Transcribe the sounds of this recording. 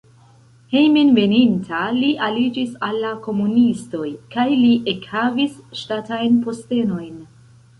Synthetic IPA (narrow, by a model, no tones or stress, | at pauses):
he̞jminve̞nintʰaliʔalid͡ʒisalːako̞munisto̞jkajliʔekhavisʃtatajnpo̞ste̞no̞jn